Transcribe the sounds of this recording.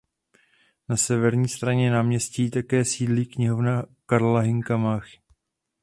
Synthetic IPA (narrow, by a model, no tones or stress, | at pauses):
nasɛvɛɾɲiːst̪ɾaɲɛnaːmɲɛsciːt̪akɛːsiːdliːkɲɪɦo̞vnakaɾlaɦɪŋkamax